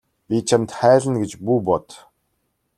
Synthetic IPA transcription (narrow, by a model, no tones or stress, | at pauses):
pʲit͡ɕʰamt̪χæːɮə̆nɡet͡ɕpuːpɔt̪